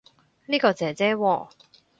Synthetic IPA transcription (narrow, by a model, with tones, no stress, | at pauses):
liː˥kɔː˧t͡sɛː˨t͡sɛː˥wɔː˧